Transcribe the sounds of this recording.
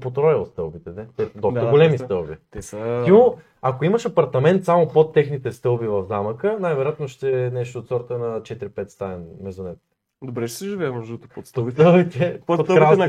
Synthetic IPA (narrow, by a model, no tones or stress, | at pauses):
pot̪ɾɔjəst̪ɤlˠbit̪ɛnɛt̪ɛd̪ɔsəɡolɛmist̪ɤlˠbit̪ɛsət̪imo | akoimɐʃɐpɐɾt̪ɐmɛnt̪samopot̪ːɛxnit̪ɛst̪ɤlˠbivɐvd̪aməkənajvɛɾjat̪noʃt̪ɛnɛʃt̪oːt̪sɔɾt̪ənɐt͡ʃɛt̪iɾipɛt̪st̪aɛnmɛzonɛt̪ | d̪obɾɛʃɛsɛʒivɛɛmɔʒd̪t̪opost̪səlˠbit̪ɛpokɾan